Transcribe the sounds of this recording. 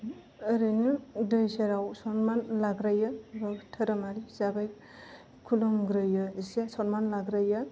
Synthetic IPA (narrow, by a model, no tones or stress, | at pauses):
ɯɾɯnɯdɯjseɾawsɔnmanlaɡɾajɯbatʰɐɾamaɾizabaj | kʰulɔmɡɾɯjɯsesɔnmanlaɡɾaja